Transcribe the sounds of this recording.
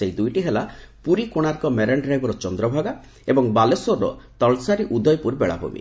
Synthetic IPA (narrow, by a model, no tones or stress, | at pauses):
seid̪ujʈiɦelapuɾikoɽ̃aɾkɔmeɾeɳɖɾajbɔɾɔt͡ʃɔnd̪ɾɔbʱaɡa | ebɔŋbalesoɾːɔ̰t̪ɔlsaɾiʔud̪ʱɔjpuɾbeɭa̰bṵmḭ